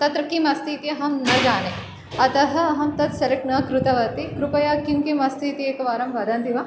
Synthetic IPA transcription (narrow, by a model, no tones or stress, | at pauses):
t̪ɐt̪ɾɐkimɐst̪ʰiːt̪iɐɦɐmnɐd͡ʒaːne | ɐt̪ɐɦɐ̆ɐɦɐmt̪ɐt̪sɐɾɐknɐkɾut̪ɐʋɐt̪ikɾupɐjaːkimkimɐst̪ʰiːt̪ieːkɐʋaːɾɐmʋɐːd̪ɐːnt̪iʋa